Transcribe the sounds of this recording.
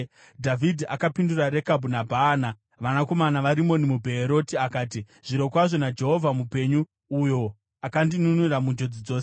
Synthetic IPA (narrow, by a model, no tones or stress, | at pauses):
dʱavʱidʱiʔakapinduraɾe̞kabʱunabʱaːna | ʋanako̞manaʋaɾimo̞nimubʱeːɾo̞tiakaːt̬i | ʐ̥iɾo̞kwaʐo̞nad͡ʒe̞ɦo̞vʱamupe̞ɲu | ujo̞ | akandinunuramund͡ʒo̞d͡zid͡zo̞ːse